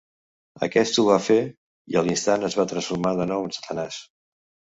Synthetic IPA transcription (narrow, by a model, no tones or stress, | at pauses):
ə̰kɛst̪uβafe | iəlinst̪anəzβat̪ɾənsfuɾmaðənɔwənsə̥t̪ənas